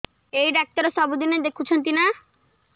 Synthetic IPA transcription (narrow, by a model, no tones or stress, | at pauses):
ejɖak̚t̪aɾesɔbud̪ined̪ekʰut͡ɕʰɔnt̪ina